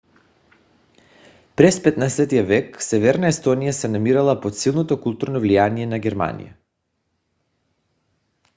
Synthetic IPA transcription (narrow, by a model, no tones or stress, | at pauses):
pɾɛspɛt̪nasɛt̪ijavɛksɛvɛɾnaɛst̪ɔnijasɛnamiɾalˠapot̪silˠnot̪okulˠt̪uɾnɔvlijaniɛnaɡʲɛɾma̰nḭja̰